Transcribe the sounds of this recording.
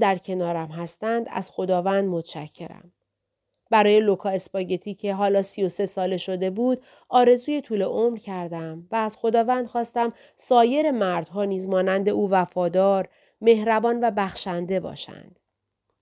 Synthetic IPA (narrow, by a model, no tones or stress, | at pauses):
d̪æɾcʰe̞nɒːɾæmɦæst̪ænd̪æ̰z̥xo̞d̪ɒːvænd̪mot̪ʰʃæ̰cʰːe̞̰ɾæ̰m | bæɾɒːje̞lo̞kʰɒːe̞spɒːɟe̞t̪ʰiːcʰe̞ɦɒːlɒːsijo̞se̞sɒːle̞ʃo̞d̪e̞buːd̪ | ɒːɾe̞zuːje̞t̪ʰuːle̞ʔomɾcʰæɾd̪æmvæːz̥xo̞d̪ɒːvænd̪̥xɒːst̪æm | sɒːje̞ɾe̞mæɾd̪̥ɦɒːniːzmɒːnænd̪e̞ʔuːvæfɒːd̪ɒːɾ | me̞hɾæbɒːnvæbæxʃænd̪e̞bɒ̰ːʃæ̰nd̪̥